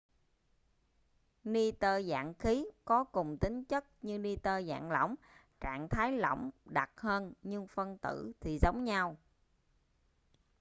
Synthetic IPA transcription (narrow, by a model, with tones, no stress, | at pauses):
ni˧t̪əː˧za̰ː˧˨ŋxi˨˦kɔ˨˦kʊ˨˩ŋ͡mt̪ï˨˦ŋ̟t͡ɕə˦˥t̚ɲɨ˧ni˧t̪əː˧za̰ː˧˨ŋlə̰˧˩wŋ͡m | t͡ɕa̰ː˧˨ŋt̪ʰaː˨˦jlə̰˧˩wŋ͡mɗa˨˩t̚həː˧nɲɨ˧ŋfə˧nt̪ɨ̰˧˩˨t̪ʰi˨˩zə˨˦wŋ͡mɲa˧w